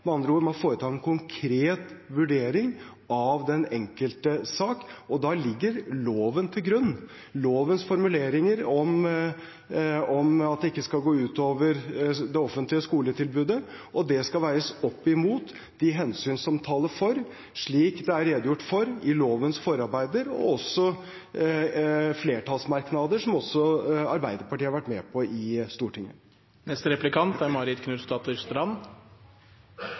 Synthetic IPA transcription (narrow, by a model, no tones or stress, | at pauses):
mɛɑnd̪ɾəuːɾmɑnfoːɾət̪ʰɑːɛnkʰʊŋkʰɾeːt̪ʋʉɖeːɾɪŋ | ɑʋd̪ɛnɛŋkəlt̪əsɑːkɔd̪ɑlɪɡːəɾloːʋənt̪ʰɪlɡɾʉnː | loːʋənsfɔɾmʉleːɾɪŋəɾɔm | ɔmɑt̪̚d̪ɛɪkːəskɑlɡoːʉːt̪oːʋəɾd̪ɛɔfənt̪lɪəskuːlət̪ʰɪlbʉːd̪ə | ʔɔd̪ɛskɑlʋæɪɾəsɔpːɪmuːt̪ | d̪ɪɦɛnsyːnsɑmt̪ʰɑːləfɔɾ | ʂɭiːkd̪ɛæɾeːd̪ʊjʊʈːfɔɾɪloːʋənsfɔɾɑɾbæɪd̪əɾɔ̰ɔsɔ | fleːʈʰɑlsmɑɾknɑd̪əʂɔmɔsːɔɑɾbæɪd̪əɾpɑʈiːhɑɾʋæʈːmɛpʰɔɪst̪uːʈʰɪŋːə̰ | nɛst̪əɾɛplɪkʰɑnt̪æɾmɑɾɪt̪kʰnʉːst̪ɑt̪st̪əɾɑn